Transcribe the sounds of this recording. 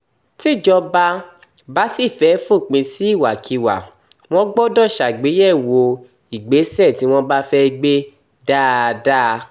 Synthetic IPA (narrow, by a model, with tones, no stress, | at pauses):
ti˦˨d͡ʒɔ˧ba˧ | ba˦si˦˨fɛ˨˦fũ˦˨k͡pĩ˧si˦i˦˨wa˨kʰi˧wa̰˨ | w̃ɔ̃˦ɡ͡bɔ˦dɔ̃˦˨ʃa˨ɡ͡be˨˦jɛ˦˨wo˧ | i˨ɡ͡be˨˦sɛ˦˨ti˨˦w̃ɔ̃˦ba˦fɛ˦˧ɡ͡be˦ | da˦˧da˦˧